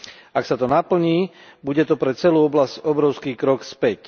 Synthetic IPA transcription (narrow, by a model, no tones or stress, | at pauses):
aksat̪ɔnapl̩ɲiːbuɟɛt̪ɔpɾɛt͡sɛluːɔblascɔbɾɔʊskiːkɾɔkspɛc